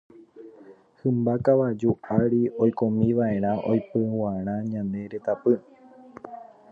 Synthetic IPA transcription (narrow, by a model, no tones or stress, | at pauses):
hɨmbakaʋad͡ʒuaɾio̞jkomĩʋae̞ɾ̃ãʔo̞̰jpɨaɾ̃ãɲãnd̪e̞ɾe̞t̪apɨ